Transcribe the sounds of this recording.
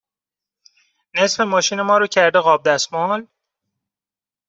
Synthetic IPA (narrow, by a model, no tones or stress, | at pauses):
ne̞sfe̞mɒːʃiːne̞mɒːɾocʰæɾd̪eɣɒːb̚d̪æsmɒːl